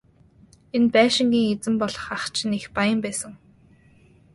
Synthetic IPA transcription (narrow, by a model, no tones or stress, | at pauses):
enpæːʃɪ̆ŋɡʲiːŋet͡sɘ̆mpɔɮɞ̆χaχt͡ɕʰɪ̆nexpajə̆mpæːsə̆ŋ